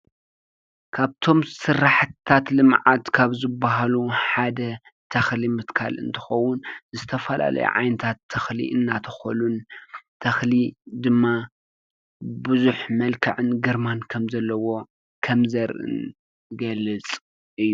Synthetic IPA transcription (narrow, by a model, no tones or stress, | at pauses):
kʰaβt̪ʰo̞msɨrːaħt̪ʰat̪lɨmʕat̪kʰaβzɨbːaɦaluħad̪ɐ | t̪ʰɐxlimɨt̪kʰa̰lʔɨ̰nt̪ʰɨ̥xɐwʊnzɨt̪ʰɐfɐla̰lɐ̰jṵʕa̰jnɨt̪ʰat̪ʰːɐxlḭʔɨnːat̪ʰɐxo̰lunt̪ʰɐxlid̪ɨmːa | bɨzuħmɐlkʰɐ̰ʕɨnɡɨɾmankʰɐmzɐlːɐwo̞ | kʰɐmzɐɾʔɨ̰n | ɡɐlɨt͡sʼ | ʔɨjːu